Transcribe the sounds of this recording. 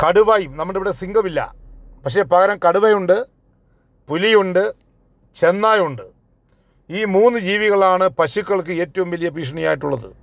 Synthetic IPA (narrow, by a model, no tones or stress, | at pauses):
kɐɽuʋaːjumnɐmːuɐʈːeʋiɽesiŋɡɐmilːɐ̰pɐkʂe̞ːpɐɣɐɾɐmkɐɽuʋɐjuɳɖɨ | pulijuɳɖɨ | t͡ɕe̞nːaːjuɳɖɨ | iːmuːnːɨd͡ʑiːʋiɣɐɭaːɳɨpɐɕukːɐɭk̬ɨe̞ːtːɐʋumʋɐlijɐpiːʂ̬ɐɳɐja̰ːjiʈːuɭːɐðɨ̰